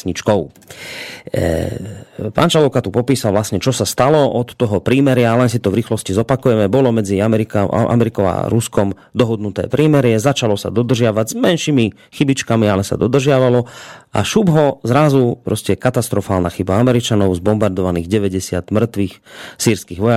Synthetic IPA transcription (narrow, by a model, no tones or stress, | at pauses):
ɲit͡ʃkɔʊ | pa̰nt͡ʃalɔʊkat̪upɔpiːsalʋlasɲɛt͡ʃɔsast̪alɔɔt̪ːɔɦɔpɾiːmɛɾɪalɛnsit̪ɔvɾiːxlɔscizɔpakujɛmɛbɔlɔmɛd͡ziamɛɾika̰ʔa̰mɛɾikɔʊa̰ɾuskɔm | d̪ɔɦɔd̪nut̪ɛ̰ːpɾiːmɛɾɪɛzat͡ʃalɔsa̰d̪ɔd̪r̩ʒɪaʋaɟzmɛnʃimi | xibit͡ʃkamialɛsa̰d̪ɔd̪r̩ʒɪaʋalɔʔa̰ʃubɦɔzɾazupɾɔscɛkat̪ast̪ɾɔfaːlnaxibaamɛɾit͡ʃanɔʊzbɔmbaɾd̪ɔʋaniːɣɟɛʋɛɟɛsɪa̰d̪̥mr̩t̪ʋiːxsiːɾskiːɣʋɔja